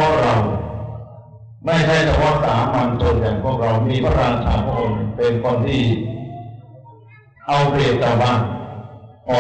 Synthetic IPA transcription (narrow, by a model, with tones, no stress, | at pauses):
ə˩k̚ɾa˧w | ma˥˩jt͡ɕʰa˥˩jt͡ɕʰa˧pʰɔ˦˥ʔ̚saː˩˦ma˧nso˧ntɛː˨˩ŋpʰu˥˩ək̚ɾa˧wmiː˧pʰa˥˩ɾaː˧nsʰa̰ː˩˦mpʰu˥˩k̚ɾa˧wnɯ˨˧˩pe˧nkɔː˧nt̪ʰiː˥˩ | ʔa˧wpʰli˨˩t̪̚t͡ɕaː˧˩baː˥˩n | ʔɔː˧